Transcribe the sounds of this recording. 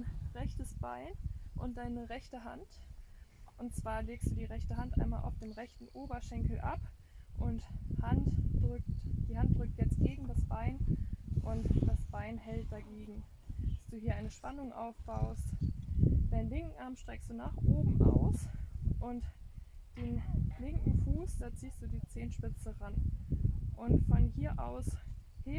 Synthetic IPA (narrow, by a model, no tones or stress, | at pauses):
anʁɛçtəsb̥aɪnʔʊnt̚d̥aɪnəʁɛçtəɦant | ʔʊnt̚t͡sv̥aːɐleːkstd̥uːdiːʁɛçtəɦantʔa̰ɪnmaːlʔa̰ʊfd̥eːmʁɛçtn̩ʔoːbɐʃɛŋkl̩ʔa̰p | ʔʊnthantʁʏktd̥iːɦantd̥ʁʏk̚tjɛt͡st̚ɡ̥eːɡŋ̩dasb̥aɪnʔʊntd̥asb̥aɪnhɛlt̚d̥aɡeːɡŋ̩̥ | asd̥uːɦiːɐʔaɪnəʃpanʊŋʔa̰ʊfb̥aʊst | d̥aɪnlɪŋkŋ̩ʔaɐmʃtʁ̥ɛkstd̥uːnaːχʔoːbm̩ʔa̰ʊsʔʊntd̥eːnlɪŋkŋ̩fuːsd̥aːt͡siːstd̥uːdiːt͡seːnʃpɪt͡səʁan | ʔʊntfɔnhiːɐʔaʊshe